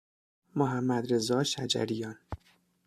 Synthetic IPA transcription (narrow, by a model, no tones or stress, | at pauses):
moɦæmːæd̪ɾezɒːʃæd͡ʒæ̰ɾijɒːn